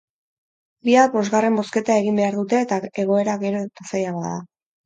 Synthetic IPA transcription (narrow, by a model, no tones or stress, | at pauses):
biapo̞zɣare̞mbo̞ske̞t̪ae̞ɣimbe̞aɾðut̪e̞ːt̪aeɣo̞e̞ɾaɣe̞ɾo̞t̪asajaβaða